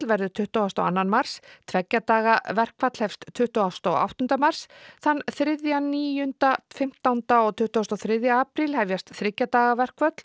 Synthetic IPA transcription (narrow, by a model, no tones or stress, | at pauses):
lvɛɾðʏt̪ʰʏht̪uast̪a̰wanːanmar̥st̪ʰvɛcːat̪aːɣavɛr̥kvat̪l̥hɛfst̪ʰːʏht̪uast̪a̰a̰wht̪ʏnt̪amar̥sθanːθɾɪðjaniːjʏnt̪afɪm̥t̪awnt̪aɔɣt̪ʰʏht̪ʏast̪ɔθɾɪðjaaːpɾɪlhɛvjast̪θɾɪcːat̪aːɣavɛr̥kvœt̪l̥